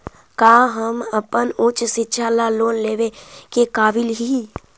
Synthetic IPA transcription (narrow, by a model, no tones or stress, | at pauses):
kaːɦəməpənʊt͡ʃʃɪtːʃʰalaloːnleːʋekekaːbɪlɦi